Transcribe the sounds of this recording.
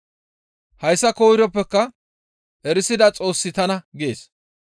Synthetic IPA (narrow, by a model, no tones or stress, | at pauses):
hɐjsːɐkoːɪɾɔpːɛkːɐ | ʔɛɾɪsɪd̪ɐt͡sʼo̞ːsːɪt̪ɐnɐɡeːs